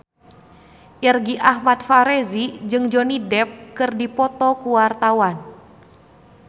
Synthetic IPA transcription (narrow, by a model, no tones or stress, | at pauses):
ʔɛrɡiʔahmat̪̚faɾezid͡ʒɨŋd͡ʒonidɛp̚kɨrdipɔt̪ɔkuwart̪awan